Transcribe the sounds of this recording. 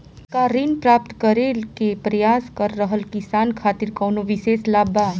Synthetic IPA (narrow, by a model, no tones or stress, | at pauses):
kaɾinpɾaːp̚t̪kəɾeːlkepɾɐjaːskəɾːəɦəlkɪsaːnkʰaːt̪ɪɾkɐːnoʋɪʃeːslaːbaː